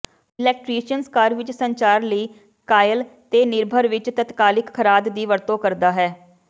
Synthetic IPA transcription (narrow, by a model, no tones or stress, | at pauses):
ɪlɛːk̚ʈɾiːʃənskaːɾʋɪt͡ʃsəɲt͡ʃaːɾləiː | kaːjəlt̪eːnɪɾbʱəɾʋɪt͡ʃt̪ət̪kaːlɪkkʰːəɾaːd̪ːiːʋəɾt̪õːkəɾd̪aːɦɛː